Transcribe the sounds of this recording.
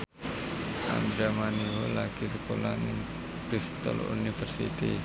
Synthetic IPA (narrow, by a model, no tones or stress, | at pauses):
a̰nd̪ɾamaniɦolakis̬əkolaniŋ | pɾist̪a̰lṵnifərsḭt̪i